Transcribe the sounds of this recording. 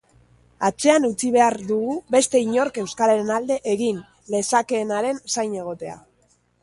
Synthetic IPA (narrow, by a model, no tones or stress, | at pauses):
at͡se̞anut͡siβ̞e̞aɾd̪uɣuβe̞st̪e̞iɲo̞ɾke̞wskaɾaɾenald̪e̞ʔeɣin | le̞sake̞ːnaɾe̞nsajne̞ɣ̞o̞t̪e̞a̰